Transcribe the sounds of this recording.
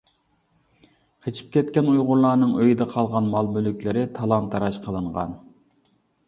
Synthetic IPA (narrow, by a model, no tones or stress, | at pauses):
qʰet͡ʃʰi̥p̚kʲɛt̪kʲɛnujʁʊɾlˠɑːnɨŋøjid̪ɛqʰɑlˠʁɑnmɑlˠmylykʲlɪɾɪt̪ʰɑlˠɑnt̪ʰːɑɾɑʃqʰəlˠɨɴʁɑ̰n